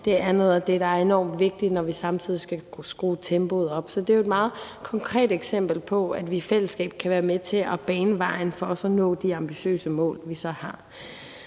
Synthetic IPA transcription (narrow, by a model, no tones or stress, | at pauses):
d̥e̝æɐnɔ̽ðˠæd̥e̝ɾ̥ɑ̈æɐe̝nɒ̰ːmd̥ʋe̝ɡ̥̚d̥inɒʋisɑ̈mt͡sʰið̞̰ˠisɡ̥æsɡ̥ʁuːt͡sʰemb̥o̝ð̞̩ˠɒ̽b̥sɒ̽d̥e̝joe̝d̥̚mɑ̈ːð̞̩ˠkʰɒ̽ŋkʰʁɛ̰ːd̥eɡ̥sem̰b̥l̩pʰɒ̽æd̥ʋifel̰əsɡ̥ɛ̰ːb̥̚kʰæʋæːɐmet͡sʰe̝ʔɒb̥ɛːnəʋɑ̈ɪ̰n̩fɒɒ̽sɒnɔ̰̽ːd̥iɑ̈mb̥iɕø̰ːsəmɔ̰̽ːlʋisɒ̽hɑ̈